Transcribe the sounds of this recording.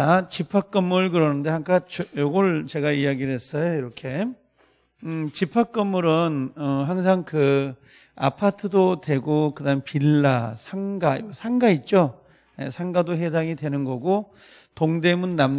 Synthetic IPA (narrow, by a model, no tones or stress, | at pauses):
t͡ɕat͡ɕipʰak͈ɯmɯɭkɯɾʌnɯnde̞haŋkʰat͡ɕojoɡʌɭt͡ɕe̞ɡaijaɡiɭɦe̞s͈ʌjoiɾʌkʰe̞ | t͡ɕipʰak͈ɯmɯɾɯnʌɦaŋsʰaŋkɯ | a̰pʰatʰɯdotwe̞ɡokɯdaɯpiɭːasʰaŋɡaḭɡʌsʰaŋɡait̚t͡ɕ͈o | jḛsʰaŋɡadoɦedaŋidwe̞nɯnɡʌɡo | toŋde̞munːam